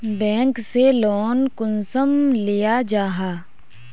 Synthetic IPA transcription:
bɛ̃ːŋkselɔːnkʊnsəmlijad͡ʒaːɦaː

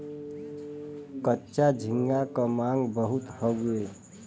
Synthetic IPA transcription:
kətːʃad͡ʒʱĩŋɡakəmãŋɡbəɦut̪hɔɡue

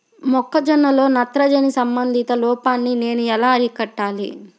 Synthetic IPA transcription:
mɔkːɐd͡ʒɐnːɐlo̞ːnɐt̪ɾɐd͡ʒɐnisɐmbɐnd̪ʱit̪ɐlɔːpaːnːine̞ːnuɛlaːɐɾikɐʈːaːlḭ

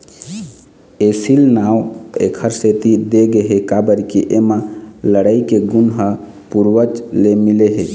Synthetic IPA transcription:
esilnawḛkʰəɾset̪id̪eɡeɦekabəɾkiʔemãləɽəikeɡunɦə | puɾwət͡ʃlemileɦe

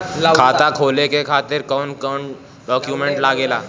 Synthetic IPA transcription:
kʰat̪akʰoːlekekʰat̪ɪɾkəwnkən | ɖɔkjumẽɳʈlaːɡelaː

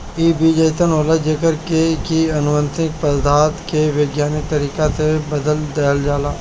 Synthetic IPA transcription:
iːbiːd͡ʒeːt̪ənoːlad͡ʒekəɾkekiɐnʊʋə̃nt̪ɪk̚pəɾd̪ʱaːt̪keʋjəɡjaːnɪk̚t̪əɾiːkasebɐd̪əld̪eːəld͡ʒaːlaː

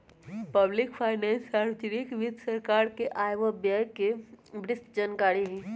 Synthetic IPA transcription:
pəblɪkpʰaːɪnɛnsaɾʋd͡ʒɾikʋɪd̪səɾkaɾkeʔajʋəbjajkebɾɪst̪d͡ʒankaːɽiɦĩ

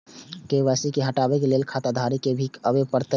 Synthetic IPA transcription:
keʋasikeɦəʈabekelelkʰat̪ad̪ʱaɾikebʱikəbepəɾt̪

